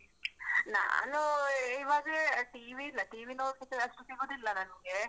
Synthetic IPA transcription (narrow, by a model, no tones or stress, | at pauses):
na̰ːnuiʋaːɡleʈiʋiːlːɐʈiːʋinoːɾkit̪ːeɐsʈusiɡoːd̪ilːɐnɐniɡe